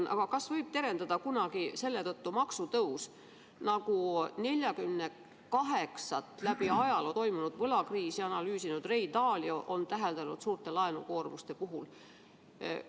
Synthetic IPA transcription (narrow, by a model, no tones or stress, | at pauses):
ʔɑ̰ɡ̥ɑkɑsvɤjb̥̚t̪e̞ɾe̞nd̪ɑd̪ɑkunɑɡ̥ise̞lːe̞t̪ɤt̪ːumɑksut̪ɤus | nɑɡ̥une̞lʲjɑkymne | kɑɦe̞ksɑt̪ːˑlæb̥iɑjɑlot̪o̞jmunud̪̥vɤlɑkriːsiɑnɑlyːsinud̪̥re̞id̪ɑːljɑʔo̞nt̪æɦe̞ld̪̥ɑnud̪̥suːrt̪e̞lɑenṵko̞ːrmust̪e̞puɦul